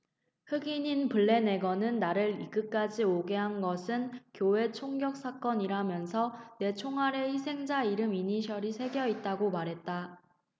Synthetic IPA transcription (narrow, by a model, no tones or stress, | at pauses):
hɯɡiɲinpuɭːe̞ne̞ɡʌnɯnːaɾɯɾiɡɯk͈ad͡ʑioɡe̞ɦanɡʌsʰɯnkjowe̞t͡ɕʰoŋɡjʌk̚s͈ak͈ʌɲiɾamjʌnsʰʌne̞t͡ɕʰoŋɦaɾe̞çisʰe̞ŋd͡ʑaiɾɯmiɲiɕʰʌɾisʰe̞ɡjʌit̚t͈aɡomaɾɦe̞t̚t͈a